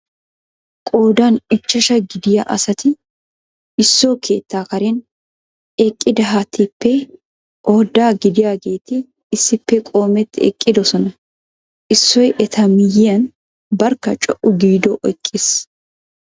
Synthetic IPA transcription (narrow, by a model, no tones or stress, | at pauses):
kʼoːd̪anɪt͡ʃːɐʃɐɡɪd̪ɪjaʔɐ̰sɐt̪ɪ | ɪsːoːkʰe̞ːt̪ːaːkɐɾɛn | ɛkʼːɪd̪ɐɦat̪ʰːɪpːɛ | ʔoːd̪ːaːɡɪd̪ɪjaːɡe̞ːt̪ɪ | ɪsːɪpːɛkʼo̞ːmɛt̪ːɪɛ̰kʼːɪd̪ɔsɔnɐ | ʔɪsːɔjʔɛt̪ʰɐmɪjɪjɐn | bɐɾkːɐt͡ʃʼɔʔʊɡiːd̪ɔʔɔjkʼːeːs